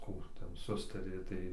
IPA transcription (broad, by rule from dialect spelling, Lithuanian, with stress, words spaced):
ˈkuː ˈtʲɛn ˈsʊstɐrʲeː tɐɪ